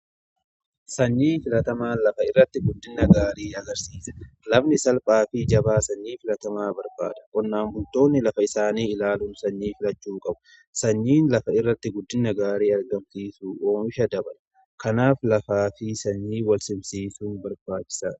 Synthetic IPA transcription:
sɐɲːiːfɪlɐt̪ɐmaːnlɐfɐɪrːɐt̪ːɪɡʊd̪ːɪnːɐɡaːɾiːɐɡɐɾsiːsɐ̥lɐbnɪsɐlpʼaːfɪd͡ʒɐbaːsɐɲːiːfɪlɐt̪ɐmaːbɐɾba̰ːd̪ɐ̥kʼɔnːaːmbʊlt̪o̞ːnːɪlɐfɐɪsaːniːɪlaːlunsɐɲːiːfɪlɐt͡ʃːuːkʼɐbʊ̥ | sɐɲːiːnlɐfɐɪrːɐt̪ːɪɡʊd̪ːɪnːɐɡaːɾiːɐɾɡɐmsiːsuːʔoːmɪʃɐd̪ɐbɐlɐ | kɐnaːflɐfaːfɪsɐɲːiːwɐlsɪmsiːsuːnbɐɾbaːt͡ʃːɪ̥sa̰ːᶑ

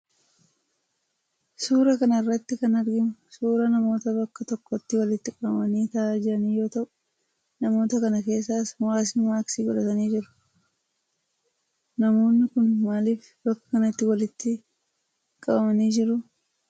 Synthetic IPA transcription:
suːɾɐkɐnɐɪrːɐt̪ːɪkɐnɐɾɡɪmʊsuːɾɐnɐmo̞ːt̪ɐbɐkːɐt̪ɔkːɔt̪ːɪwɐlɪt̪ːɪkʼɐbɐmɐniːt̪ɐaːd͡ʒɪɾɐniːjo̞ːt̪ɐʔʊ | nɐmo̞ːt̪ɐkɐnɐke̞ːsːaːswaːs̬ɪnmaːksiːɡɔᶑɐt̪ɐniːd͡ʒɪɾʊ̥ | nɐmo̞ːnːɪkʊnmaːlɪf | bɐkːɐ̥kɐnɐɪt̪ːɪwɐlɪt̪ːɪ | kʼɐbɐmɐniːd͡ʒɪɾʊ

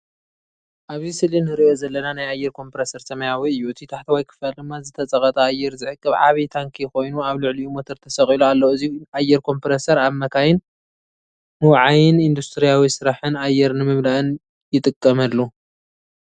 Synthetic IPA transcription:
ʔaβzisɨlinɨɾiʔozɐlːɐnanajajːɛɾkʰo̞mpɾesɐɾsɐmɐjawiɨjːuɨt̪ʰit̪ʰaħt̪ʰiwajkʰɨ̥fald̪ɨmːazɨt̪ʰɐt͡sʼɐkʼɐt̪ʼɐajːɛɾzɨʕɨkʼːɨβʕa̰βit̪ʰaŋkʰixo̞jnuaβlɨʕliumot̪ʰɐɾt̪ʰɐsɐkʼiloalːɐɨziuʔajːɛɾkʰo̞mpɾesɐɾaβmɐkʰajɪn | nɨwʕajɪnind̪ust̪ʰɨɾijawisɨɾaħɨnajːɛɾnɨmɨmlaʔɨn | jɪt̪ʼɨkʼːɐmɐlːu

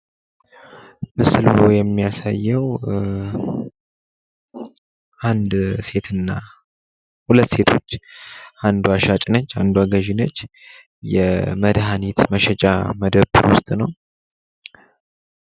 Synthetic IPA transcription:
mɨslhojɛmːijasajːɛw | ʔand̪se̞t̪ʰɨnːa | hulət̪ːse̞t̪ʰo̞t͡ʃːʔand̪uaʃat͡ʃʼnət͡ʃːa̰nd̪uaɡəʒɪnət͡ʃː | jɛməd̪ɦanit̪məʃɛt͡ʃʼa̰məd̪əbɨɾwʊst̪ʼnəw

